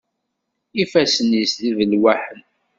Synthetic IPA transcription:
ifæsənisðivəlwæħən

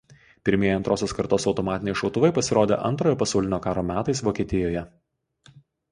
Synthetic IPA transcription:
pʲɪɾʲmʲeɛjɐnt̪ɾoːsʲoːskɐɾt̪oːsɒʊt̪ɔmɑːt̪ʲɪnʲɛɪʃɒʊt̪ʊʋɐɪpɐsʲɪɾoːd̪ʲḛːʔɐnt̪ɾoːjoːpɐsɐˑʊlʲɪnʲoːkɑːɾoːmʲæːt̪ɐɪsʋoːkʲeːt̪ʲɪjoːjɛ

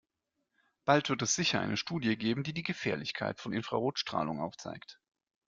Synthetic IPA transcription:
b̥altv̥ɪɐtɛsz̥ɪçɐʔa̰ɪnəʃtuːdjəɡeːbm̩diːdiːɡəfɛːɐlɪçkʰa̰ɪtfɔnʔɪnfʁ̥a̰ʁoːtʃtʁ̥a̰ːlʊ̰ŋʔa̰ʊft͡sa̰ɪkt

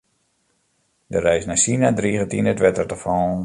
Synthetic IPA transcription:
dərɛjsnasinadriːɣətinətʋɛtərtəfɔ

